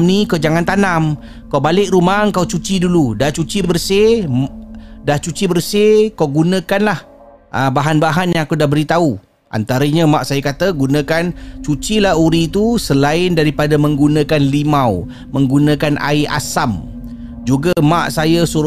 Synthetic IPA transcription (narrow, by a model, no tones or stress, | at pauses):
mnikad͡ʒaŋant̪anam | kawbalɪʔ̚ɾumaŋkawt͡ʃut͡ʃiduludaht͡ʃut͡ʃibərse | daht͡ʃut͡ʃibərsekawɡunə̃kanlah | ʔəbaɦanbaɦanjãŋakudaɦbəɾit̪au | ʔa̰nt̪aɾəɲamaʔsajakat̪əɡunə̃kant͡ʃut͡ʃilaɦuɾit̪usəlaɪndaɾipadamə̃ŋɡunə̃kanlimaw | mə̃ŋɡunə̃kanʔa̰iʔa̰sam | d͡ʒuɡamaʔsajasuɾ